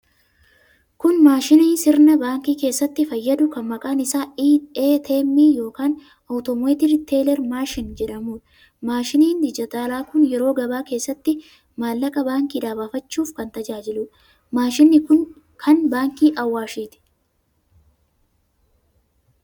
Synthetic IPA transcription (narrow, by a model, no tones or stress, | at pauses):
kʊnmaːʃɪniːnsɪɾnɐbaːŋkiːke̞ːsːɐt̪ːɪfɐjːɐd̪ʊkɐnmɐkʼaːnɪsaːiːeːt̪ʰeːmːiːjo̞ːkaːn | ʔɐwt̪ɔmeːt̪ɪɾt̪ʰe̞ːlɛɾmaːʃɪnd͡ʒɛᶑɐmuːᶑɐ̥ | maːʃɪniːnd̪ɪd͡ʒɪt̪aːlaːkʊnjɛɾo̞ːɡɐbaːke̞ːsːɐt̪ːɪ | maːlːɐkʼɐbaːŋkiːd̪aːbafɐt͡ʃːuːfkɐnt̪ɐd͡ʒaːd͡ʒɪlʊᶑɐ̥ | maːʃɪnːɪkʊn | kʰɐnbaːŋkiːʔɐwːaːʃiːt̪ɪ̥